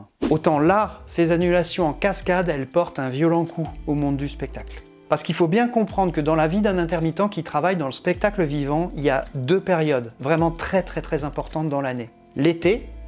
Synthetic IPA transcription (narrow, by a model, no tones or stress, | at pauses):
ot̪ɑ̃lasezanylasjɔ̃ɑ̃kaskad̪ɛlpɔʁt̪ɛ̃vjɔlɑ̃kʰuomɔ̃d̪ːyspɛk̚t̪akl | paʁsə̥kilfobjɛ̃kɔ̃pχɑ̃d̪ʁəkəd̪ɑ̃lavid̪ɛ̃nɛ̃t̪ɛʁmit̪ɑ̃kʲit̪χavajd̪ɑ̃ləspɛk̚t̪akləvivɑ̃iljad̪øpeʁjɔd̪vʁɛmɑ̃t̪χɛt̪χɛt̪χɛzɛ̃pɔʁt̪ɑ̃t̪̚d̪ɑ̃lane | let̪e